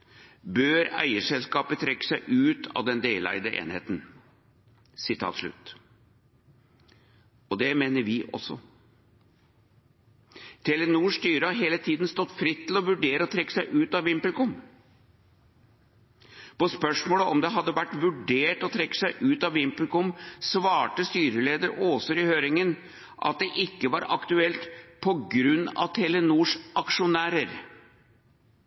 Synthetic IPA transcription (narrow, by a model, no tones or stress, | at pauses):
bøːɾæ̰ɪəʂɛlskɑːpət̪ʰɾɛkːə̥sæɪʔʉːt̪ʰɑ̰ʋd̪ɛnd̪eːlæ̰ɪd̪əʔḛːnhḛːt̪n̩ | sɪt̪ʰɑ̰ːt̪ʂɭʉ̰t̪ | ɔd̪ɛmeːnəɾʋɪʔɔ̰sɔ̰ | t̪ʰɛlɛnuːʂt̪yːɾəɑɦeːlət̪ʰiːd̪nst̪ɔt̪ːfɾɪt̪ʰːɪlɔʋʉɖeːɾəɔt̪ʰɾɛkːə̥sæɪʔʉːt̪ɑʋɪmplkʊm | pɔspœʂmoːləʔɔmd̪ɛɦɑd̪ːəʋæʈːʋʉɖeːʈɔt̪ʰɾɛkːə̥sæɪʔʉːt̪ɑʋɪmpəlkʊmsʋɑːʈəst̪yːɾəleːd̪əɾoːsɔɾɪhøːɾɪŋən | ʔɑ̰t̪̚d̪ɛʔɪkːəʋɑɾɑ̰kt̪ʉɛlt̪pʰɔɡɾʉnːɑ̰ʋt̪ʰɛlɛnuːʂʔɑkʂʊnæːɾəɾ